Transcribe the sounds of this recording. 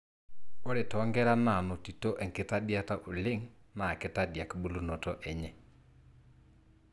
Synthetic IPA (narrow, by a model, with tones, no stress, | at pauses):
o˦ɾe˨tɔ˨˦ŋɡɛ˦ɾa˦na˨no˨ti˨tɔ˦ʔɛ˨ŋke˨ta˦di˦a˦ta˦ʔo˨le˦ŋna˨ke˦ta˦dja˨ke˨bo˦lo˦no˨tɔ˦ʔɛ˨ɲɛ˦